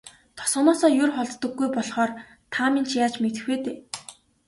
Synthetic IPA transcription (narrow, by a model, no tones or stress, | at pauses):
t̪ʰɔ̥sɔ̆nɔːsɔːjʊrχɔɮt̪ːə̆ɡːujpɔɮχɔːr | t̪ʰamint͡ɕʰjaːt͡ɕmet̪ɘ̆xweːt̪eː